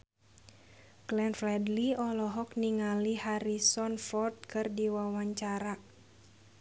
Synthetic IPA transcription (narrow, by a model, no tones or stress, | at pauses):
ɡ̥lɛnfɾɛdliɔlɔɦɔkniŋalihaɾisɔnfɔrt̪̚kɨrdiwawaɲt͡ʃaɾa